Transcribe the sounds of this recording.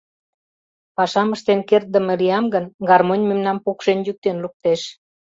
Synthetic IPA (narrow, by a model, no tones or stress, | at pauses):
pɑʃɑməʃt̪enkert̪̚d̪əmə̆liɑmɡənɡɑrmonʲmemnɑmpokʃenjyk̚t̪enluk̚t̪eʃ